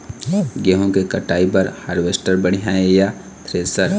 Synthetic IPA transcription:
ɡeɦõkekɐʈaːipɐɾhaːɾʋeːsʈəɾbɐɽ̤ijɦaẽja | t̪ʰɾeːsəɾ

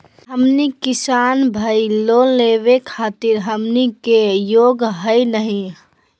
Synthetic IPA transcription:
ɦəmnikɪsaːnbʱəilolːeʋekʰaːt̪iɾɦəmnikejoɡɦəjnəɦĩ

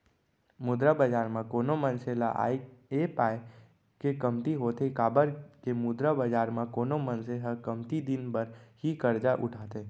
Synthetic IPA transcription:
mʊd̪ɾabəd͡ʒaːɾmãkoːnomə̃nselaʔa̰ːiepaːe | kekəmt̪iɦoːt̪ekaːbəɾkemʊd̪ɾabəd͡ʒaːɾmãkoːnomə̃nseɦakəmt̪id̪ɪnbəɾhikəɾd͡ʒaʔʊ̰ʈʰaːt̪eː

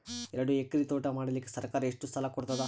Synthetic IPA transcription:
ɛɾɐɽuekːɐɾit̪oːʈɐmaːɽɐlikːesɐɾkaːɾɐeʂʈust̪ʰɐlɐkɔɽt̪ɐd̪a

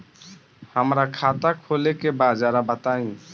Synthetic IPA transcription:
həmɾakʰat̪akʰolekebad͡ʒaɾabət̪aĩ

